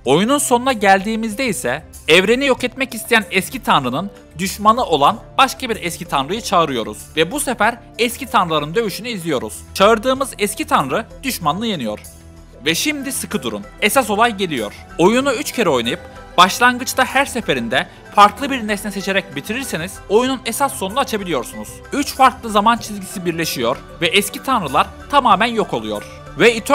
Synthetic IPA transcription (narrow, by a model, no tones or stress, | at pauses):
o̞jununso̞nunaɟælʲd̪iːmizd̪ɛisɛ | ɛvɾe̞nijo̞kɛt̪mɛcist̪ʰejænɛscit̪ʰanɾɯnɯn | d̪yʃmanɯʔo̞lˠanbaʃkabiɾɛscit̪ʰanɾɯjɯt͡ʃʰaɯɾɯjo̞ɾṵz̥vɛbusefæɾ | ɛscit̪ʰanɾɯlˠaɾɯnd̪ø̞vyʃynyizlʲijo̞ɾṵz̥t͡ʃʰaɯɾd̪ɯːmɯzɛscit̪ʰanɾɯd̪̥yʃmanːɯjenijo̞̰ɾ̥ | vɛʃimd̪isɯkʰɯd̪uɾṵnesaso̞lˠajɟe̞lʲijo̞̰ɾ̥ | o̞junuyt͡ʃcʰeɾɛo̞jnajɯp | b̥aʃlˠanɡɯt͡ʃt̪ahæɾse̞fe̞ɾind̪ɛ | faɾklˠɯbiɾnesnɛse̞t͡ʃʰe̞ɾɛc̚bit̪ʰiɾiɾsiniz̥o̞jununesasːonunaːt͡ʃʰabilʲijo̞ɾsunuz̥yt͡ʃfaɾklˠɯzamant͡ʃʰizʲɟisibiɾlʲe̞ʃijo̞ɾ | vɛʔɛscit̪ʰanɾɯlˠaɾ | t̪ʰamaːmænjo̞kʰo̞lˠujo̞̰ɾ̥ | vɛit̪ʰ